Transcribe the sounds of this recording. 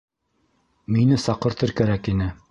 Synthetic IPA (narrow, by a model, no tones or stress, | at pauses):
minɘsɑqɤ̆ɾt̪ɤɾkæɾækinɘ